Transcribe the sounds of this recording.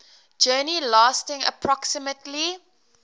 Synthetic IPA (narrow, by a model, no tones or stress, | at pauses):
d͡ʒɜːnilaːstɪ̃ŋə̰pʰɹɔksɪmətʰli